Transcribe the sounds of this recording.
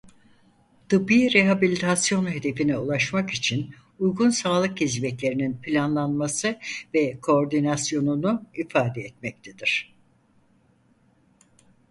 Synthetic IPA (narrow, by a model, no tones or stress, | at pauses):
d̪̥ɯbiːɾeɦabilʲit̪ʰasjo̞nɦe̞d̪e̞finɛulˠaʃmakit͡ʃʰin | ujɡunsaːlˠɯk̚ɟizmɛclʲe̞ɾininpʰilʲanlˠanmasɯvɛkʰo̞ːɾd̪inasjo̞nunuifaːd̪ɛɛt̪mɛc̚t̪ʰed̪̥iɾ̥